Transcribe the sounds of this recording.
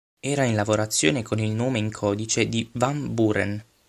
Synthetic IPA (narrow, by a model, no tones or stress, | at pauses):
ɛːɾainlavoɾat̪sːjoːnekonilnoːmeiŋkʰɔːd̪it͡ʃed̪ivamburḛn